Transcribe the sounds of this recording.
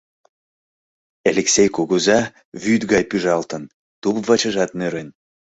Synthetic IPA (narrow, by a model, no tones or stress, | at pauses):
eleksʲejkoɣuzɑ | βyd̪ɣɑjpyʒɑlt̪ən | t̪upvɑt͡ɕəʒɑt̪neɾen